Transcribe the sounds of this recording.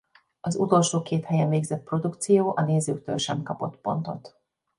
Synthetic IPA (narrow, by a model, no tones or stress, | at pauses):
ɒzut̪o̞lʃoːkeːt̪hɛjɛɱveːɡzɛt̪̚pro̞d̪ukt̪sijoːʔɒneːzøːkt̪ø̰lʃɛmkɒpo̞t̪po̞̰nt̪o̞t̪